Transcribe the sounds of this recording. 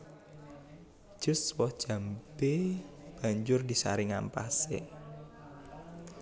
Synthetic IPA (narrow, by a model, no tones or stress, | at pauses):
d̥ʒ̥ʊ̤swɔhd̥ʒ̥ä̤mbeb̥a̤ɲd͡ʒʊrdisa̰ɾiŋampasḛ